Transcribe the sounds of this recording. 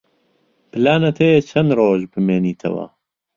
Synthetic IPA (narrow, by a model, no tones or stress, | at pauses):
pɨlaːnɐt̪ʰejet͡ʃʰɐnroːʒbɨmeːniːt̪ʰɐ̰wɐ̰